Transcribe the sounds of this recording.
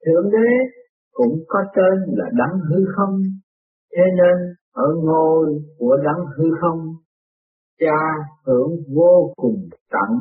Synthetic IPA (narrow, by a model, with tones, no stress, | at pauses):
t̪ʰɨ˧˩˨əŋɗe˨˦ | kʊ̰˧˥ŋ͡mkɔ˨˦t̪e˧nlaː˨˩ɗa˨˦ŋɦɨ˧xə˧wŋ͡m | t̪ʰe˨˦ne˧nʔəː˧˩ŋo˨˩jku˧˩əɗa˨˦ŋɦɨ˧xə˧wŋ͡m | t͡ɕaː˧hɨ˧˩əŋvo˧kʊ˨˩ŋ͡mt̪a̰˧˩˨ŋ